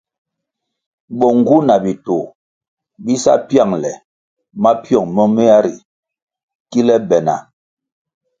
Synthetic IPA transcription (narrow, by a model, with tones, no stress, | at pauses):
ɓɔ˨ŋ˨ɡu˦na˨bi˨to˨ | bi˦sa̰˦pja˦˨ŋlɛ˨ | ma˦pjɔ˦˨ŋmɔ˦me˦a˦ɾi˨ | ki˦lɛ˦bɛ˨na̰˨